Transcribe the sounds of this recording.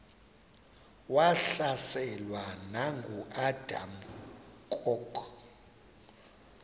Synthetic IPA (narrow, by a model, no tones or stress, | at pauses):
waɬasɛlwanaŋɡʱuʔad̥ʱa̰mkʼɔkʼʰ